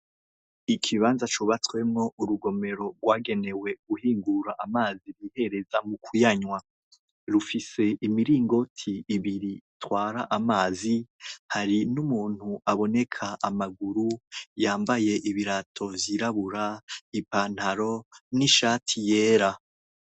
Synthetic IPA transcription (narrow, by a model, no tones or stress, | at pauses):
ikʰiβaːnzat͡ʃuβatwe̞mŋo̞uɾuɡo̞me̞ɾo̞ɡwaːɡe̞ne̞we̞ɡuhiːŋɡuɾaʔamaːziɾihe̞ɾe̞zamukujaɲwa | ɾufise̞imiɾiːŋɡo̞tʰiːβiɾiːtwaːɾaʔamaːzihaɾinumuːn̥huʔaβo̞ne̞kʰaʔamaɡuɾujaːmbaje̞ʔiβiɾatʰo̞vjiɾaβuɾaipan̥haɾo̞niʃaːtʰije̞ːɾa